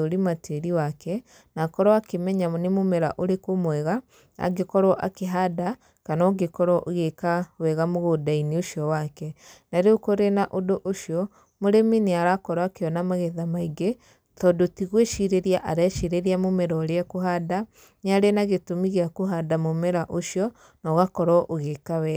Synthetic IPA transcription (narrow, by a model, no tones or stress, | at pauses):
oɾimatʰeɾiwakɛ | nakɔɾɔakemɛɲanemomɛɾa̰ʔoɾekomwɛɣa | a̰ɡekɔɾwɔʔa̰keɦada | kanɔɡekɔɾɔʔoɣekawɛɣamoɣodainioʃiɔwakɛnaɾeokoɾenaʔodoʔoʃiɔ | moɾemineaɾakɔɾɔakeɔnamaɣɛðamaiɡe | tɔdotiɣweʃiɾeɾiaʔaɾɛʃiɾeɾiamomɛɾɔɾeakoɦada | neaɾenaɣetomiɣeakoɦadamomɛɾaʔoʃjɔ | nɔɣakɔɾɔʔoɣekawɛ